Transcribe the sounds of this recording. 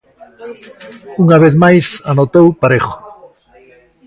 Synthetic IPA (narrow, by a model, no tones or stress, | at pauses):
uŋaβ̞eθmajsanot̪owpaɾexo̥